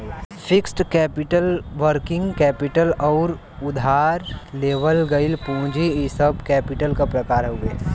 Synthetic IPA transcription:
fʰɪksʈkɛːpɪʈəlʋəɾkɪ̃ŋɡkɛːpɪʈəlɔːɾ | ʊd̪ʱaːɾleːʋəlɡɐilpũːd͡ʒiisəbkɛːpɪʈəlkapɾɐkaːɾɦʊeː

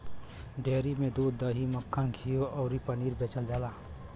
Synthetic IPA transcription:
ɖeːɾimẽd̪uːd̪ːəɦiməkʰːãɡʰʱijoʔɔʊɾipəniːɾbet͡ʃəld͡ʒaːlaː

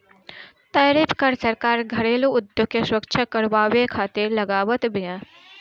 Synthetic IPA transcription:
t̪əːɾɪpʰkəɾsɐɾkaːɾɡʱɐɽeːloʊd̪joɡ̚keswəkʃʰakɐɾʋaːʋekʰaːt̪ɪɾlɐɡaːʋət̪bɪjãː

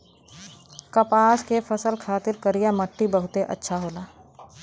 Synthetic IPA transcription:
kɐpaːskefɐsəlkʰaːt̪ɪɾkəɾijamɐʈːibɐɦʊt̪eʔɐ̰tːʃʰaɦoːlaː

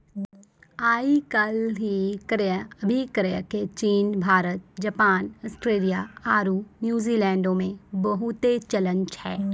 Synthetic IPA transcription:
aːikɐlɦikəɾəbʱikəɾejket͡ʃiːnbʱaːɾət̪̚d͡ʒɐpaːnɔːsʈɾeːlijaaːɾuːnjuːziːlɛ̃ːɳɖõmẽbɐɦʊt̪et͡ʃɐlə̃nt͡ʃhɛː

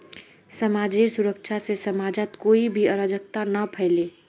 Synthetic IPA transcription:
sɐmaːd͡ʒesʊɾəkʃʰasesɐmaːd͡ʒat̪koːibʱiəɾaːd͡ʒək̚t̪anapʰɛɦleː

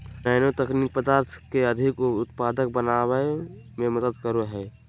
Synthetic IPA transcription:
naːɪnot̪əkniːk̚pəd̪aːɾt̪ʰkeəd̪ʱɪkʊt̪paːd̪ək̚bənaːwə | mẽməd̪əd̪kəɾoɦɛː

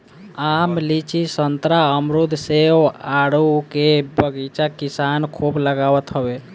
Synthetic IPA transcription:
amlit͡ʃisənt̪ɾaəmɾud̪ʱseoaɽukebəɡit͡ʃakisankʰubləɡawət̪ɦəbe

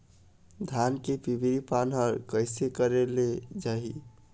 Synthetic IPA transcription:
d̪ʱankepibiɾipanɦʌɾkəɪsekəɾeled͡ʒaɦi

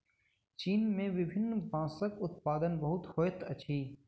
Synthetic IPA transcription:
t͡ʃiːnmẽʋɪbʱɪnːbãːsəkʊt̪paːd̪ənbɐɦʊt̪hoːjət̪ɐt͡ʃʰiː

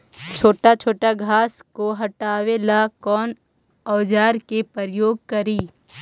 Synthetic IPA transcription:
t͡ʃʰoːʈat͡ʃʰoːʈaɡʱaːskoɦɐʈaːwelakɔːn | ɔːd͡ʒaːɾkepəɾəjoːɡ̚kɐɾiː

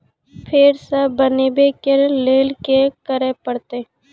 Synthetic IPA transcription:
pʰeɾsəbəneːbekeɾleːlkekəɾepəɽt̪eː

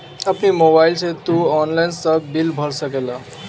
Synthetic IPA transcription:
əpnimobaɪlsẽt̪uɔːnlajnsəbilbʱəɾsəkela

